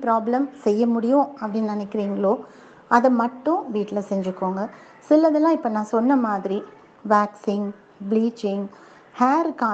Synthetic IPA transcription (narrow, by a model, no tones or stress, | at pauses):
pɪɾaːblɐmsɛjːɐmʊɽɪjʊ̃ɐpːɐɽinnɪnɛkːɪɾiːŋɡɐɭoː | ʔɐðɐmɐʈːʊ̃ʋiːʈːɪlɐsɛɲd͡ʒɯkːoːŋɡɐ | sɪlɐðɐlãːɪpːɐnãːsɔnːɐmaːðɪɾi | ʋaːksɪŋ | bliːt͡ʃɪŋɡ | haːɾkaː